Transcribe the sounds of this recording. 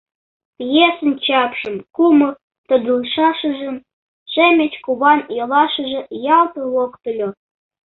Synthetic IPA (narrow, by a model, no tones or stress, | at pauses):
pjesə̆nt͡ɕɑpʃə̆mkumɤr | t̪ə̆d̪əlʃɑʃə̆ʒə̆m | ʃemʲĕt͡ɕkuβɑnjɤ̆lɑʃə̆ʒĕjɑlt̪ɤ̆lokt̪ə̆lʲo